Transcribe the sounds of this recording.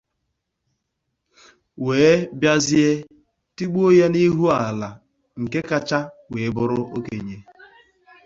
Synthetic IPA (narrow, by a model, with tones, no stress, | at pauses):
weː˨˦bja˦zɪ˦e˦ | ti˦ɡ͡bu˦o˦ja˦ni˦ɦu˦a˨la˨ | ŋ̩˨ke˦ka˦t͡ʃa˦we˨˦bʊ˦ɾʊ˦ʔo˦ke˨ɲe˦